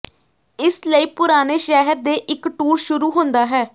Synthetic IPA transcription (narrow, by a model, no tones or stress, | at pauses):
ɪsləiːpʊɾaːneːʃɛːɦəɾd̪eːʔɪkʈuːɾʃʊɾuːɦõːnd̪aːɦɛː